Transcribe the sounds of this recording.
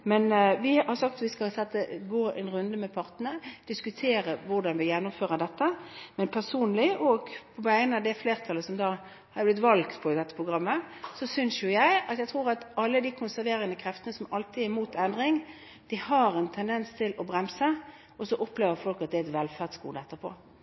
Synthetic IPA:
mɛnʋɪhɑɾsɑk̚t̪ʋɪskɑlsɛt̪ːəɡoːʔɛnʁʉnd̪əmɛpʰɑʁt̪ənəd̪̥ɪskʉt̪ʰeːɾəʋʊʁɖ̪ɑnʋɪjɛnːʊmføːʁəd̪ɛt̪ːəmɛnpʰæʁsuːnlɪʔɔɡpʰɔʋæɪənəɑd̪ɛfleːʁt̪ʰɑlːəsɔmd̪ɑː | hɑɾblɪt̪ʋɑlkt̪pʰɔd̪ɛt̪ːə̥pʰʁʊɡɾɑmːəsɔsʏnsjʊjæɪɑt̪jæt̪ʰʁuːɾɑt̪ɑlːəd̪ikʰʊnsæɾʋeːɾənəkʰɾɛft̪ənəsɔmɑlt̪ɪæɾmuːt̪ɛnd̪ɾɪŋ | d̪̥ɪhɑɾɛnt̪ʰɛnd̪ɛnst̪ʰɪlʔɔbɾɛmsə | ɔsɔʔɔpːleːʋəɾfɔlkɑt̪̚d̪ɛɛt̪ʋɛlfæʁd̪skṵːʁd̪əɛt̪ːəpʰɔ̰ː

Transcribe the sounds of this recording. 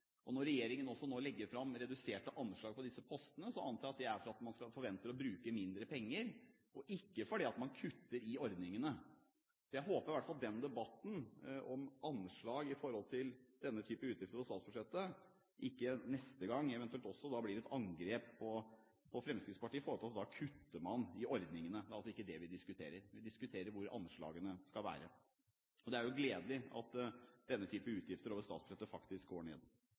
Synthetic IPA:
ʔɔnɔɾːɛjeːɾɪŋənɔsːɔnoːlɛɡːəɾfɾɑmɾɛd̪ʉseːʈəʔɑnʂɭɑːɡ̚pʰɔd̪ɪsːəpʰɔst̪ənəsɔʔɑnt̪ɑːɾjɑt̪d̪ɛæɾfɔɾɑt̪mɑnskɑfɔɾʋɛnt̪əɾɔbɾʉːkəmɪnd̪ɾəpʰɛŋːəɾ | ɔʔɪkːəfɔɖɛɑt̪mɑnkʰʉt̪ːəɾɪɔɾd̪nɪŋənə | sɔjæɪɦoːpəɾɪʋæʈfɑld̪ɛnd̪ɛbɑt̪ːn̩ʔɔmɑnʂɭɑːɡɪfɔɾhɔlt̪ʰɪld̪̥ɛnːət̪ʰyːpəʉːt̪jɪft̪əɾpɔsɑːt̪sbʉʂɛt̪ːə | ʔɪkːənɛst̪əɡɑŋːɛʋɛnʉɛlt̪ɔsːɔd̪ɑblɪːɾɛt̪ɑŋɡɾeːppʰɔ | pʰɔfɾɛmskɾɪt̪spɑʈiːfɔɾɔt̪ɑt̪d̪ɑkʰʉt̪ːəmɑnɪɔɾd̪nɪŋənəd̪ɛæɾɑlsɔɪkːəd̪ɛʋɪd̪ɪskʉt̪ʰḛːɾəɾɪd̪ɪskʉt̪ʰeːɾəɾʋʊɾɑ̰nʂɭɑ̰ːɡənəskɑlʋæ̰ːɾə | ɔd̪ɛæɾjʊɡleːd̪lɪɑ̰t̪d̪̥ɛnːət̪ʰyːpəʉːt̪jɪft̪əɾoːʋəst̪ɑːt̪sb̥ʉʂɛt̪ːəfɑkt̪ɪskɡoːɳḛːd̪

